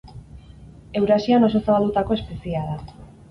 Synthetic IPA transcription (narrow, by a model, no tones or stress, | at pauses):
e̞wɾasiano̞so̞saβald̪ut̪ako̞e̞spesiaða